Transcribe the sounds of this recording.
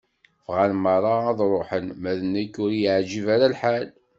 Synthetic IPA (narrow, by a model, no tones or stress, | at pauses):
vʁalmɑɾˤɑːðˤɾˤoħənmæðənːækːʊɾjəʕd͡ʒivaɾalħal